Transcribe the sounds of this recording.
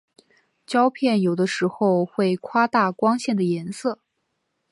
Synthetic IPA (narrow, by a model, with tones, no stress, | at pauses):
t͡ɕjɑ˥ʊpʰjɛ˥˩njo˨˩ʊd̪ə˦ʂɻ̩˧˥xo˥˧ʊxwe˥˩ɪkʰwa˥t̪a˥˩kwɑ˥ŋɕjɛ˥˩nd̪ə˩jɛ˧˥nsɤ˥˩